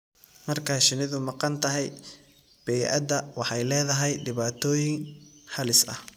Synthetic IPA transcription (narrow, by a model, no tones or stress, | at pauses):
mɐrkʰaʃɪnɪðʊmɑqɑnt̪ʰɐɦɛj | b̥ɛjʔɐ̰d̪ɐwɑħɑjlɛːðɐɦɛjɖɪβaːt̪ʰɔːjɪŋhɐlɪsɐ̰h